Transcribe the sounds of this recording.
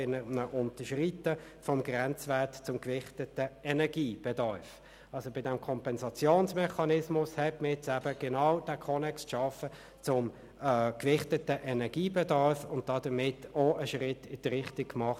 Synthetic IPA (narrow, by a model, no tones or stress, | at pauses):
ɪnənəʔʊntəʃʁitə | fɔmɡʁɛnt͡svætt͡sʊmkʋɪχtətəɛnɛɐɡiːb̥ɛdɑɾf | ɑlsobɪdɛmkʰɔmpɛnsɑt͡sjoːnsmɛχɑnɪsmʊshɛtməɛt͡sæbəɡ̥ɛnaʊd̥ækʰɔnɛksʃɑfə | t͡sʊm | kʋɪχtətəʔɛnɛɐɡ̥iːbɛdɑʁfʊnt̚d̥ɑdəmɪtoəʃʁɪtːɪd̥əʁɪχtɪkkmɑχt